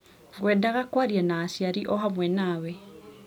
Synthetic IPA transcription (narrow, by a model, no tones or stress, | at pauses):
ɡwɛdaɣakwaɾianaːsiaɾiʔɔɦamwɛnaːwɛ